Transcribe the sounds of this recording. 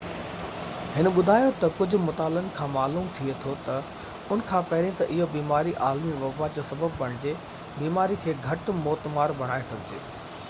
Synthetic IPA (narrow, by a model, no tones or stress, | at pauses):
hɪnɓʊd̪ʱaːjot̪ɐkʊd͡ʑʱʊ̆mʊt̪aːlənɪ̆kʰãːmaːluːmt̪ʰiet̪ʰot̪ɐ | ʊn̆kʰãːpɐɦɪɾĩt̪ɐʔɪɦobiːmaːɾiʔaːlmiʋɐbad͡ʑosɐbəbpɐɽ̃ɪ̃d͡ʑe | biːmaːɾikʰeːɡʱɐʈmoːt̪maːɾbɐɽ̃aːesɐɡʱɪd͡ʑḛː